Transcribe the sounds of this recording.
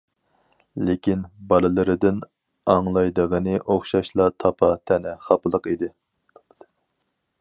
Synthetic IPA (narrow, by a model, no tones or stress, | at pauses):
lekʲʰinbɑɾɨlˠɨɾɪd̪ɪn | ɑŋlˠɑjd̪əʁənɪʔoχʃɑʃlˠɑt̪ʰɑpʰɑt̪ʰɛnɛχɑpɨlˠəqid̪ɪ